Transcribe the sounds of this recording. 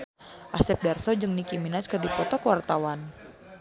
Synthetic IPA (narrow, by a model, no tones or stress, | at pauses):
ʔasɛp̚darsɔd͡ʒɨŋnikiminaskərdipɔt̪ɔkəwart̪awan